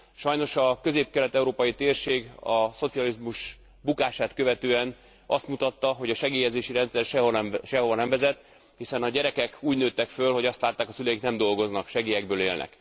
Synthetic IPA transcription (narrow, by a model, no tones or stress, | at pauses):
ʃɒjno̞ʃɒkø̞zeːp̚kɛlɛt̪ɛuɾoːpɒjit̪eːrʃeːɡɒso̞t̪sijɒlizmuʃ | bukaːʃaːt̪kø̞vɛt̪øːɛn | ɒst̪mut̪ɒt̪ːɒɦo̞ɟɒʃɛɡeːjɛzeːʃiɾɛnt̪sɛrʃɛʃɛɦo̞vɒnɛɱvɛzɛt̪ː | hisɛnɒɟɛɾɛkɛkuːɟnøːt̪ːɛkfølho̞ɟɒst̪laːt̪ːaːkɒsylɛjik̪nɛmd̪o̞lɡo̞znɒkʃɛɡijɛɡbøːleːlnʔɛ̰k